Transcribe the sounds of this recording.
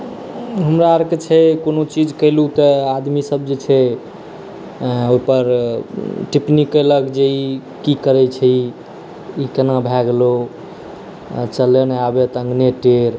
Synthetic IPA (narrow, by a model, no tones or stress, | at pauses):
ɦəmɾaəɾket͡ʃʰɛkonot͡ʃid͡ʒkəɪlut̪ɔad̪misəb̚d͡ʒet͡ʃʰɛ | oipəɾ | ʈipnikːələkd͡ʒei | kikəɾɛt͡ʃʰɛi | ikənabʱɛɡlo | t͡ʃəleneabet̪ə̃ŋɡneʈeɾ